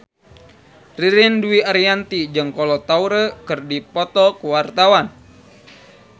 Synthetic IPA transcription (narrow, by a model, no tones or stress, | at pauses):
riɾɪnduiaɾiant̪id͡ʒɨŋkɔlɔt̪auɾəkɨrdipɔt̪ɔkuwart̪awan